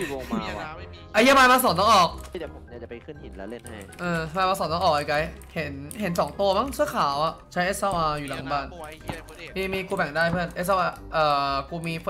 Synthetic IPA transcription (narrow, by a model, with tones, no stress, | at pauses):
ʔa˧˩ja˥˩baː˧jmaː˧s̬ɔː˨˦nɔ˥˩ŋʔɔː˨˩k̚ | ʔɤː˧maː˧maː˧sɔː˨˩˦nɔ˥˧˩ʔɔː˨˩ʔa˧˩ka˧j | he˩˦nɦe˨˩˦nsɔː˩˦ŋt̪u˧ɐma˦˥ŋsɯ˦˥ɐkʰaː˩˦wʔa˨˩t͡ɕʰa˦˥ʔe˦˥sa˧wʔaː˧juː˨˩la˩˦ŋbaː˧˩n | niː˧˩miː˧kuː˧bɛ˨˩ŋdaː˥˩jpʰɯ˥˩ənʔe˦˥sa˧ʔaː˧ | ʔɤː˨˩kuː˧miː˧˥